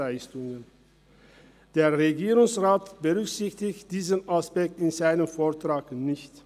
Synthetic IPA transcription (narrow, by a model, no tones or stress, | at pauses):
aɪstʊŋən | d̥eːɐʁeɡiːʁʊŋsʁaːtb̥əʁʏksɪçtɪçtd̥iːzənaspɛk̚tɪnzaɪnəmfoːɐtʁ̥aːknɪçt